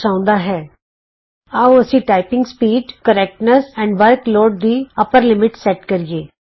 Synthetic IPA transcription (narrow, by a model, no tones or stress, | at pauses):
sãːʊ̃nd̪aɦɛː | aːuɐsĩʈaːɪpɪ̃ŋɡspiːɖkəɾɛːk̚ʈnəsɛ̃ːɳɖʋəɾkloːɖ̚d̪iɐpəɾlɪmɪʈsɛʈkɐɾieː